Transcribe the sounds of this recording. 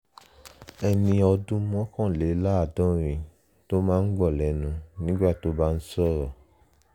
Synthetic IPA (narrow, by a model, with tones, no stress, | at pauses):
ɛ˧nĩ˧ɔ˧dũ˦mɔ̃˦kɔ̃˦˨le˨˦la˦a˦˨dɔ̃˨˦ɾ̃ĩ˨ | to˦mãː˦˧n̩˦ɡ͡bɔ˦˨lɛ˨˦nũ˨˧nĩ˦ɡ͡ba˦˨to˨˦ba˦n̩˦sɔ˦˨ɾɔ˨